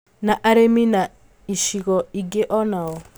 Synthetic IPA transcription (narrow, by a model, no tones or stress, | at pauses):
naʔaɾemina | iʃiɣɔiɡeʔɔnaɔ